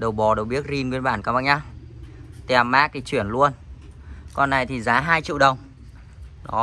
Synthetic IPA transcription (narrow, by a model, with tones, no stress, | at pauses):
ɗə˨˩wɓɔ˨˩ɗə˨˩wɓi˦˥ət̚zi˧nkwe˧˦nɓa̰ː˧˩nkaː˨˦ɓa̰ː˧˩ɲaː˧ | t̪e˨˩˨a˨˩mːaː˦˥k̚t̪ʰi˨˩t͡ɕwi˧˩ənlu˧ən | kɔ˧nːa˨˩jt̪ʰi˨˩zaː˨˦ɦaː˧jt͡ɕḭ˧˨wɗə˨˩wŋ͡m | ɗɔ˨˦